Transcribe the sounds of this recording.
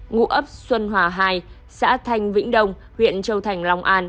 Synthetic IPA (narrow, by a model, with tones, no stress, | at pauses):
ŋṵ˧˥ʔə˦˥p̚swə˧nɦwaː˨˩ɦaː˧j | sa̰ː˧˥t̪ʰa˧jŋ̟vḭ̈˧˥ŋ̟ɗə˧wŋ͡m | hwḭ˧˨ənt͡ɕə˧wt̪ʰa˨˩jŋ̟lɔ˧wŋ͡mʔaː˧n